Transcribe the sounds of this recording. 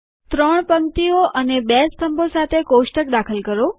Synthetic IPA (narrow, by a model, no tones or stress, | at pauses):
t̪ɾəɳ̃pəmt̪ioʔənebest̪ʰəmbosat̪ʰekoʃʈək̚d̪akʰəlkəɾo